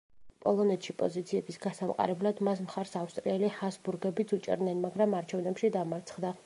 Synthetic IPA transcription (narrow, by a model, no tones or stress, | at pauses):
pʼɔ̰lˠɔnɛt̪ʃipʼɔ̰zit̪sʰiɛbisɡasamqʼa̰ɾɛblad̪mas̬mχaɾsafst̪ʼɾiɛlihasbuɾɡɛbit̪sʰut͡ʃʼɛ̰ɾd̪nɛnmaɡɾamaɾt͡ʃʰɛvnɛpʃid̪amaɾt̪sʰχd̪a